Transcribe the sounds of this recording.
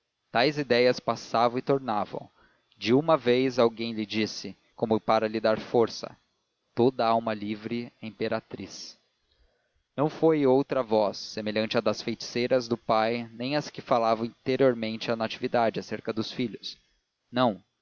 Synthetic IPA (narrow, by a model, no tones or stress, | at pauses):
t̪ajzid̪ɛjɐspasavɐ̃w̃ɪt̪oɾnavɐ̰̃w̃ | d͡ʒɪũmɐvejzawɡẽj̃lɪd͡ʒisɪ | kõmʊpaɾɐlɪd̪aɾfoɾsɐ̰ | t̪od̪ɐawmɐlivɾɪɛĩpeɾat̪ɾis | nɐ̃w̃fojowt̪ɾɐvɔsːemeʎɐ̃nt͡ʃɪɐd̪ɐsfejt͡ʃi̥sejɾɐzd̪ʊpajnẽj̃ɐskɪfalavɐ̃w̃ĩt̪eɾioɾmẽnt͡ʃɪanat͡ʃivid̪ad͡ʒɪaseɾkɐd̪ʊsfiʎʊs | nɐ̃w̃